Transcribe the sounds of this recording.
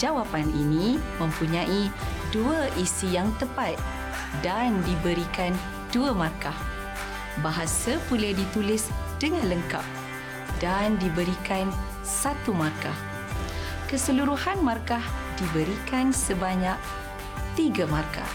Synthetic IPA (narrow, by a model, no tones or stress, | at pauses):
d͡ʒawapaninĩmə̃mpuɲãʔiduaʔisijaŋt̪əpat̪̚ | dandibəɾikan | duamarkah | baɦasapulahdit̪ulɪsd̥əŋãnləŋka̰p̚ | dandibəɾikan | sat̪umarka̰h | kəsəluɾuhanmarkahdibəɾikansəbaɲak̚ | t̪iɡamarka̰